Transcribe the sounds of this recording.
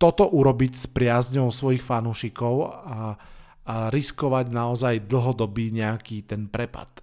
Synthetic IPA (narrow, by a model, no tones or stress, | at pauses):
t̪ɔt̪ɔʔuɾɔbicspɾɪazɲɔʊsʋɔjixfanuːʃikɔʊa | aɾiskɔʋaɟnaɔzajd̪l̩ɦɔd̪ɔbiːɲɛakiːt̪ɛnpɾɛpa̰t̪